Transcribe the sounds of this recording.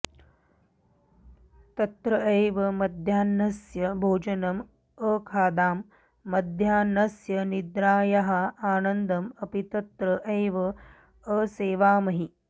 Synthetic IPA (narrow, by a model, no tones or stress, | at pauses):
t̪ɐt̪ɾɐʔejʋɐmɐd̪ʱjaːnɐsjɐbʱoːd͡ʒɐnɐm | əkʰaːd̪aːmː | ɐd̪ʱjaːnɐsjɐnid̪ɾaːjɐɦɐaːnɐnd̪ɐmɐpit̪ɐt̪ɾɐʔeːʋɐ | əseːʋaːmɐɦi